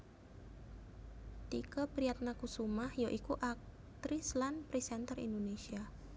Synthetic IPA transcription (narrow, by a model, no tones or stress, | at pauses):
t̪ikəpɾiat̪̚nakusumahjoʔikuʔak̚ | t̪ɾislanpɾisɛnt̪ərḭnd̪onesia